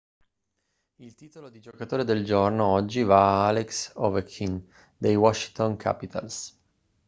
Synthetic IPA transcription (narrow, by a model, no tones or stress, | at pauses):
ilt̪iːt̪olod̪id͡ʒokat̪oːɾed̪eld͡ʒornoɔd͡ʒːivaaaleksɔvekʰːin | d̪ejwɔʃːi̥t̪oŋkʰa̰pit̪ʰa̰ls